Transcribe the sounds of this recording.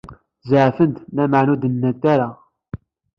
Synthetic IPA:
zaʕfənt̪næməʕnud̪ənːæt̪aɾa

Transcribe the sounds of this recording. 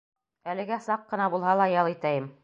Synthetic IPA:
ælɘ̆ɡæsɑqːɤ̆nɑbulˠɦɑlˠɑjɑlˠit̪æjɘm

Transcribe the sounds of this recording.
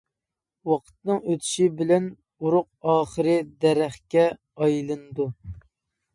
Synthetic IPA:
wɑqʰə̥t̪nɨŋøt̪ʰy̥ʃibɪlɛn | uɾʊq̚ɑːχəɾɨd̪ɛɾæχkʲɛ | ɑjlˠɨnɨd̪u

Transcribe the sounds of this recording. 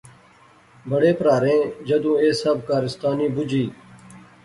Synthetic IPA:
bəɽeːpɾaːɾẽːd͡ʒəd̪ũːeːsəbkaːɾɪst̪aːniːbʊd͡ʒʱiː

